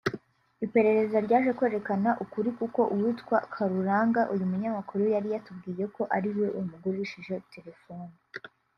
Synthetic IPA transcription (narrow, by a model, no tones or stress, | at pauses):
ipe̞ɾe̞ɾe̞zaɾɟaːʒekwe̞ːɾe̞kanaʔukuɾikuko̞ʔuwutkwakʰaɾuɾaːŋɡaʔujumuɲamakuɾujaɾijatubɡiːje̞ko̞ʔaɾiɾwe̞ʔujumuɡuɾiʃiʒe̞te̞ɾe̞fo̞ːni